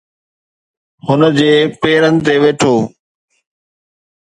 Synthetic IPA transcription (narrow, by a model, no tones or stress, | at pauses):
hʊnəd͡ʑeːpeːɾənɪ̆t̪eːʋeːʈʰoː